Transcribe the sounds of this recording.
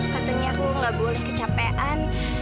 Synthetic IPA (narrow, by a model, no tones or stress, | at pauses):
pat̪uɲakuŋɡaʔbolɛhkət͡ʃapeʔan